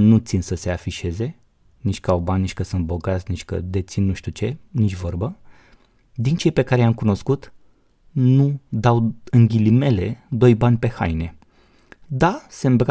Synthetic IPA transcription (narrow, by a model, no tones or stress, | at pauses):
nut̪sinsəse̞afiʃe̞ze̞ | nit͡ʃʲkəawbanʲnit͡ʃʲkəsunt̪̚bo̞ɡat̪sʲnit͡ʃʲkə̰d̪e̞t̪sinːuʃt̪ut͡ʃe̞nit͡ʃʲvo̞rbə | d̪int͡ʃe̞jpe̞kaɾejamkuno̞skut̪ | nud̪awɨŋɡʲilime̞le̞d̪o̞jbanʲpe̞ha̰jne̞ | d̪ase̞mbɾ